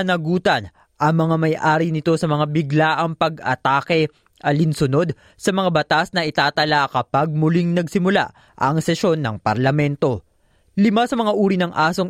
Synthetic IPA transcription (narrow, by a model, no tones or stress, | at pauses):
ɐnɐɡuːt̪ɐn | ʔɐŋmɐŋamɐjʔaːɾinɪt̪o̞sɐmɐŋabɪɡlaʔɐŋpɐɡɐ̰t̪aːkɛ | ʔɐlɪnsʊno̞d̪ | sɐmɐŋabɐt̪asnɐʔɪt̪aːt̪ɐlakɐpaɡ̚mʊliŋnɐɡsɪmʊla̰ | ʔɐŋsɛʃo̞nːɐŋpɐɾlɐmɛnt̪o̞ | lɪmasɐmɐŋaʔuːɾinɐŋʔaːso̞ŋ